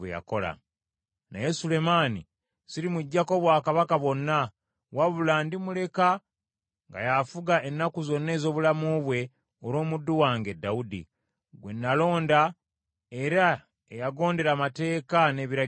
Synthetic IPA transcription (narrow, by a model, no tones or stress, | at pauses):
wḛja̰ko̞la̰ | na̰jesule̞manḭ | siɾimuɟːako̞βwaːkaβakaβo̞nːa | waβulaːndimule̞ka | ŋɡa̰jafuɡaʔe̞nːakuzo̞nːe̞ːzo̞ːβulamuβwe̞ | oɾo̞ːmudːuwaːŋɡe̞dːaudḭ | ɡwe̞nːalo̞ːnda | e̞ɾa | ejaɡo̞ːnde̞ɾamate̞ːkane̞βiɾa